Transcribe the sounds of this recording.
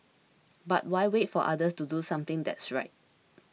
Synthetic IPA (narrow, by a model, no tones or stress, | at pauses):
ba̰t̚waɪwetfɔʔa̰dəstudusãmt̪ɪ̃ŋdɛ̰tsɹa̰ɪt̚